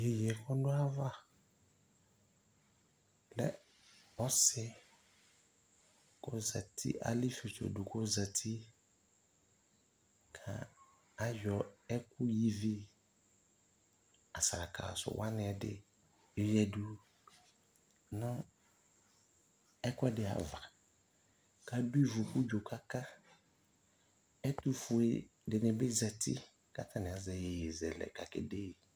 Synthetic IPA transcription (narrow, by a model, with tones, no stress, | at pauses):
je˨jɛ˨kʰɔ˦dʊ˦a˦va˦ | lɛ̰˦ | ɔ˦sɪ˦ | kʊ˦za˨tʰḭ˦ʔa̰˨li˦fi˨t͡ʃɔ̰˨du˨kʊ˦za˨tʰi˦ | kʰã̰˨ | a˦jᶣɔ˨ɛ˦kʊ˦ji˦vi˦ | a˨sa˨ɾa˨kʰa̰˨sʊ̰˨wʔa˦nɪ˦ɛ˨dɪ̰˦ | jɛ˦du˦ | nʊ̃˦ | ɛ˦kʊ˦ɛ˦dɪ˨a̰˨va˨ | ka˨du˦i˦vʊ˨ku˦d͡ʒo˨kʰa˦ka˦ | ɛ˦tu˦fu˨ḛ˨ | dɪ˨nɪ̃˨bɪ˦za˨ti˦ | ka˦tʰa˦nɪ˨a˨zɛ˨je˨zɛ˨lɛ̰˨ka˨kɪ̰˨de˦˨